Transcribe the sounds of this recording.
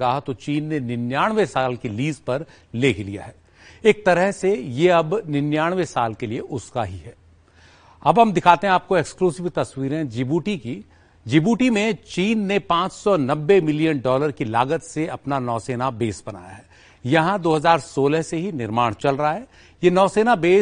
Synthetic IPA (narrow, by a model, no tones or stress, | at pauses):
ɐɦat̪ot͡ʃiːnːenɪnjaːɽ̃ʋesaːlkiliːzpɐɾ | leːkʰlḭja̰ɦɛː | eːk̚t̪ɐɾəɦsejeɐbnɪnjaːɽ̃ʋesaːlkelieʔʊskaɦiɦɛː | ɐbɦɐmd̪ɪkʰaːt̪eɦɛ̃aːp̚koekskluːzɪʋt̪ɐswiːɾɦɛ̃d͡ʒɪbuːʈiki | d͡ʒɪbuːʈimẽt͡ʃiːnːepãːt͡ʃsɔnɐbːemɪlijənɖɔːləɾkilaːɡət̪seɐpnanɔːseːnabeːsbɐna̰ːja̰ɦɛː | jɐɦãd̪oːɦɐzaːɾsoːləɦseɦinɪɾmaːɽ̃t͡ʃɐlɾɐɦaɦɛː | jenɔːseːnabeː